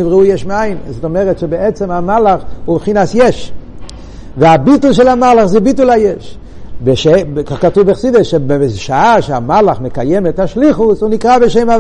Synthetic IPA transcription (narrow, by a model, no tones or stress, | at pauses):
ivʁɛujɛʃmeaɪnzɔtomɛʁɛtʃebɛɛt͡sɛmamalaχubeχinasjɛʃ | vɪabitl̩ˠʃɛlamalaχzibitulˠajɛʃ | beʃekaχkatubeχsideʃebzʃaaʃeamalaχmekajɛmɛthaʃliχʊsunikʁabeʃeɪmav